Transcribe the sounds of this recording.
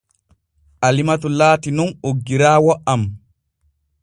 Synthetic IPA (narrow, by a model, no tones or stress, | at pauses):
ʔalimatɔlaːtinɔnoɡːiɾaːwɔʔam